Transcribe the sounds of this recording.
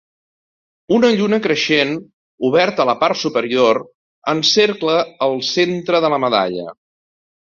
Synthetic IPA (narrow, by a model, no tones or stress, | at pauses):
unəʎunəkɾəʃen | uβ̞ɛɾt̪ələpaɾt̪supəɾioɾ | ənseɾkləːlˠsent̪ɾəðələməða̰ʎə̰